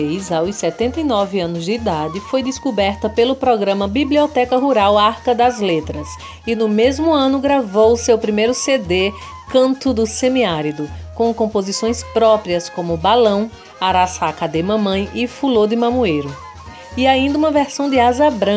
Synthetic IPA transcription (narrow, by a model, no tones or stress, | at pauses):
ejzawsɛt̪ẽnt̪ɐjnɔvɪɐ̃nʊzd̪ɪːd̪ad̪ɪfojd̪ɪskubɛɾt̪ɐpelʊpɾɔɡɾɐ̃mɐbibliɔt̪ɛkɐɦuɾawaɾkɐd̪ɐzlet̪ɾɐs | ɪnʊmezmʊɐ̃nʊɡɾavowʊsewpɾimejɾʊsed̪e | kɐ̃nt̪ʊd̪ʊsẽmiaɾid̪ʊkõkõpozisõj̃spɾɔpɾiɐskõmʊbalɐ̃w̃ | aɾasakad̪ɪmɐ̃mɐ̃j̃ɪfulod̪ɪmɐ̃muejɾʊ | iaĩnd̪ɐũmɐvɛɾsɐ̃w̃d̪ɪazɐbɾɐ̃